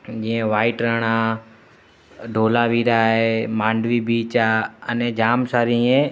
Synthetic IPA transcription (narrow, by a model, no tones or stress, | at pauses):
d͡ʒĩːẽːʋaːiʈɾəɳaː | ɖʱoːlaːʋiːɾaːɦemãːɳɖʋiːbiːt͡ʃaːəneːd͡ʒaːmsaːɾĩːẽː